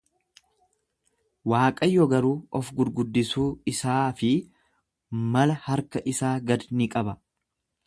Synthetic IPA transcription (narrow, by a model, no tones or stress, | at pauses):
waːkʼɐjːɔɡɐɾuːɔfɡʊɾɡʊd̪ːɪsuːɪsaːfɪ | mɐlɐhɐɾkɐʔɪsaːɡɐd̪nɪkʼɐbɐ